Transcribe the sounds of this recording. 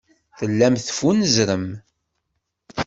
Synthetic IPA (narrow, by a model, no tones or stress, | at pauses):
θəlːæmθfunəzɾəm